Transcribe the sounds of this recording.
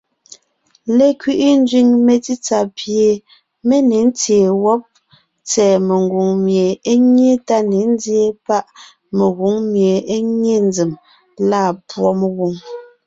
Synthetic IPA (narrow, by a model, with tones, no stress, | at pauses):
le˨kɥi˦ʔi˦n̩˦d͡ʒɥi˦˨ŋme˨ti˦t͡sa˨pje˨ | me˦ne˨˦n̩˦t͡sje˨wɔ˦p̚ | t͡sɛː˨me˨ŋɡu˨ŋmje˨e˦ɲje˦ta˦ne˨˦n̩˦d͡zje˦pa˦ʔ | me˨ɣu˨˦ŋmje˨e˦ŋe˦n˦d͡zi˨m | laː˦˨pwɔ˦me˨ɣu˨ŋ